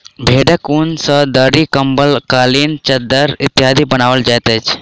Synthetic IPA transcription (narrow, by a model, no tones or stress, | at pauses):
bʱeːɖəkunsəd̪əɾikəmbəlkaːliːnt͡ʃəd̪əɾɪt̪ːɪɦaːd̪ʱibənaːʋəld͡ʒajt̪ət͡ʃʰ